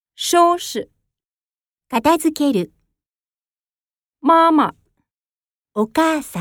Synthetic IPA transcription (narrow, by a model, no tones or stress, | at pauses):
ɕoːɕɨ | kat̪azɨke̞ɾɯ̟ | mama̰ | okaːsã